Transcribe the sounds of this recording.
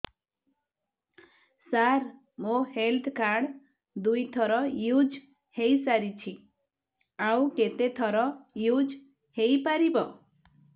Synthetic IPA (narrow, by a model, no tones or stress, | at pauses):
saɾ | mõhelt̪ʰkaɽ | d̪ujt̪ʰɔɾɔjud͡ʒ | hejsaɾit͡ʃʰi | awket̪et̪ʰɔɾɔjud͡ʒ | hejpaɾibɔ